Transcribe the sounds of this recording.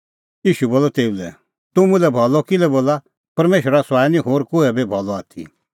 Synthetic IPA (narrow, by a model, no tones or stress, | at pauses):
iːʃuboːlɔt̪eːulɛ̰ | t̪ʊmũlɛbʱɔlɔkɪlɛboːla | pɐɾmeːʃəɾasaːjnĩɦoːɾkuɛbebʱɔlɔaːt̪ʰḭ